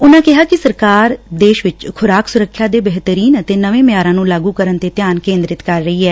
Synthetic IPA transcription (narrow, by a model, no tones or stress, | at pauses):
ʊnãːkɪɦaːkɪsəɾkaːɾd̪eːʃʋɪt͡ʃkʰʊɾaːksʊɾəkʰːjaːd̪eːbɛɦt̪əɾiːnət̪eːnəʋẽːmɪjaːɾãːnũːlaːɡuːkəɾənt̪eːt̪jaːnkẽːnd̪ɾɪt̪kəɾːəiːɦɛː